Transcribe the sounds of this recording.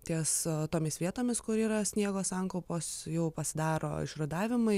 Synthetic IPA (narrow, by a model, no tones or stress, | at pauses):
t̪ʲiɛst̪oːmʲɪsʋʲiɛt̪oːmʲɪskʊɾiːɾɐsʲnʲiɛɡoːsɐŋkˠɐʊpoːsjɛʊpɐsʲɪd̪ɑːɾo̰ːɪ̰ʃɾɐd̪ɑːʋʲɪmɐɪ